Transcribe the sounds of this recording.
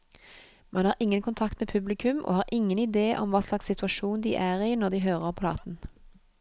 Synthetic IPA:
mʔɑnhɑːɪŋːənkʰʊnt̪ʰɑkt̪meːpʰʉblɪkʰʉmʔo̰ːhɑːʁʔɪŋːənɪd̪eːʔɔ̰mʋɑːslɑkssɪt̪ʉɑʃuːnd̪ḭːʔæːʁiːnɔʁd̪iːɦøːʁəʁpʰlɑ̰ːt̪n̩

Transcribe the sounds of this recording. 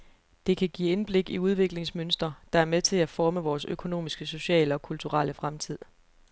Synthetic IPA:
d̥e̝kʰæɡ̥ḭːenb̥le̝ɡ̥iuð̞ˠʋe̝ɡ̥le̝ŋsmønsd̥ʁɐd̥ɑ̈æɐmet͡sʰe̝æfɒːməʋɒːsøkʰo̝no̝̰ːmisɡ̥əso̝ɕɛ̰ːləɒ̽kʰult͡sʰuʁaləfʁamt͡sʰið̞̰ˠ

